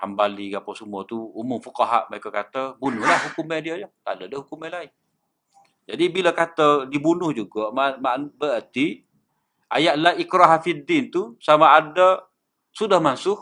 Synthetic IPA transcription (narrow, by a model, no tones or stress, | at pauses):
ha̰mbalikapasəmuat̪uumʊmfukaɦa̰ʔməɾekakat̪əbunʊhlahhukumɛdiəd͡ʒət̪a̰dədəhukumɛlaɪn | d͡ʒadibilakat̪ədibunʊhd͡ʒuɡɔʔmamaʔanbəət̪i | a̰jaʔlaikɾaɦafidint̪usamaːdə | sudahmansʊh